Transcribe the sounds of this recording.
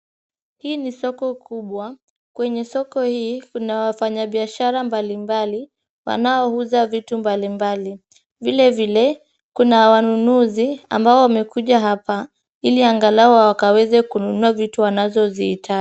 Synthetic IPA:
hiːnisɔkɔkuɓwa | kwɛɲɛsɔkɔhiːkunawafaɲaɓiaʃaɾambalimbali | wa̰naɔhuzavitumbalimbali | vilɛvilɛ | kunawanunuzia̰mbaɔwamɛkuʄaɦapa | iliaŋɡalaɔawakawɛzɛkununuavituwanazɔziitʰa

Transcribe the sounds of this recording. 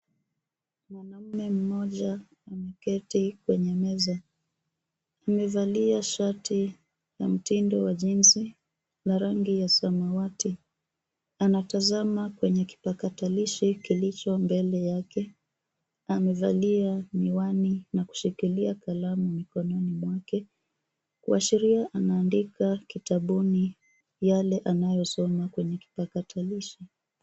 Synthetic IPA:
mwanam̩mɛm̩mɔʄa | amɛkɛtikwɛɲɛmɛza | amɛvaliaʃatʰi | jam̩tindɔwaʄinzi | laɾaŋɡijasamawati | anatazamakwɛɲɛki̥pakataliʃikilit͡ʃɔmbɛlɛjakɛ | amɛvalianiwaninaku̥ʃikiliakalamumikɔnɔnimwakɛ | kwuaʃiɾiaʔanaːndikakitaɓuni | jalɛʔanajɔsɔmakwɛɲɛki̥pakataliʃi

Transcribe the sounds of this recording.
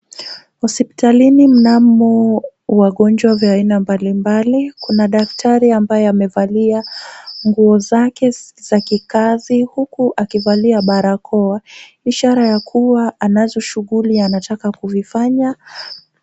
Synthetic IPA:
hɔspi̥talinim̩namɔwaɠɔnd͡ʒwavjaaːinambalimbalikunaɗaktʰaɾiambajɛamɛvaliaŋɡuɔzakɛz̥akikazihukuʔakivaliaɓaɾakʰɔa | iʃaɾajakʰuwaanazɔʃuɠulianatakakuvifaɲa

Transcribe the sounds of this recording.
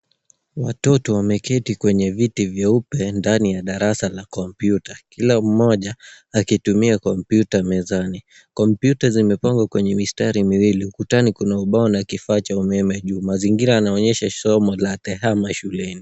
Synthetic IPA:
watɔtɔwamɛkɛtikwɛɲɛvitivjaupɛndanijaɗaɾasalakɔmpjutakilam̩mɔʄaː | kitumiakɔmpjutamɛzani | kɔmpjutazimɛpaŋɡwakwɛɲɛmistaɾimiwiliukutanikunauɓaɔnakifaːt͡ʃaumɛmɛʄuːmaziŋɡiɾaːnaɔɲɛʃasɔmɔlat̪ɛhamaʃulɛni

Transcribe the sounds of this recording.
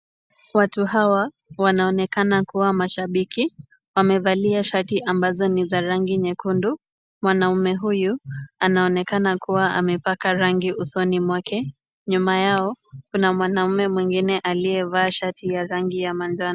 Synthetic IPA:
watuɦawa | wanaɔnɛkanakuwamaʃaɓiki | wamɛvaliaʃatiʔambazɔnizaɾaŋɡiɲɛkundu | mwanamumɛɦujuanaɔnɛkanakuwaʔa̰mɛpakaɾaŋɡiʔusɔnimwakɛ | ɲumajaɔkunamwanamumɛmwiŋɡinɛʔalijɛvaːʃatijaɾaŋɡijamand͡ʒan

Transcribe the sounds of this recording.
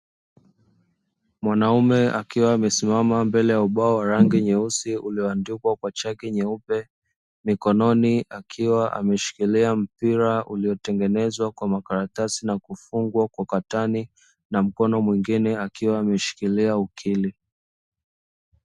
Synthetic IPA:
mwanaumɛakiwaːmɛsimamambɛlɛjauɓaɔwaɾaŋɡiɲɛusiuliɔandikwakwat͡ʃakiɲɛupɛ | mikɔnɔniakʰiwaʔa̰mɛʃi̥kiliam̩piɾauliɔtɛŋɡɛnɛzwakwamakaɾatasinakufuŋɡwakwakatani | nam̩kɔnɔmwiŋɡinɛakiwaːmɛʃi̥kiliaukʰili

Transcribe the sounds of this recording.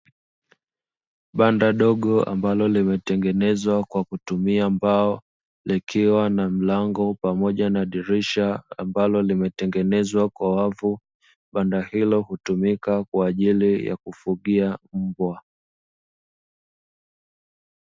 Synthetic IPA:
ɓandaɗɔɠɔa̰mbalɔlimɛtɛŋɡɛnɛzwakwakutumiambaɔ | likʰiwanam̩laŋɡɔpamɔʄanaɗiɾiʃaambalɔlimɛtɛŋɡɛnɛzwakwawavu | ɓandahilɔhutumikakwaːʄilija̰kufuɠiam̩bwa

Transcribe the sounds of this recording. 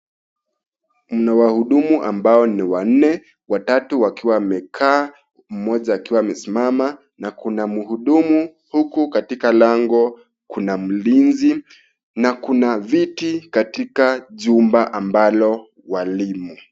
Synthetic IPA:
m̩nawahuɗumuʔambaɔniwan̩nɛ | watatuwakiwamɛkʰaː | m̩mɔʄaːkiwaːmɛsimama | nakunamuhuɗumu | hukukatikalaŋɡɔ | kunam̩linzi | nakunavitikatikaʄumbaʔambalɔ | walimu

